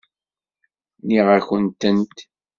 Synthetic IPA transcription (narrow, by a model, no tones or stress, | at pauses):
niʁəçənt̪ənt̪